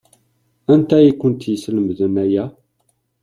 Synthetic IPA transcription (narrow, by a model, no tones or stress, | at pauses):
ænt̪æjikːənt̪jəsləmðənæjæ